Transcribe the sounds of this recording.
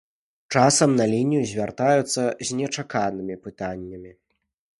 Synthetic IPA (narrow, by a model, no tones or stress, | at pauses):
t͡ʂasɐmnɐlʲinʲijuzʲvʲart̪ajut̪sːɐzʲnʲɛt͡ʂakanɨmʲipɨt̪anʲːɐmʲi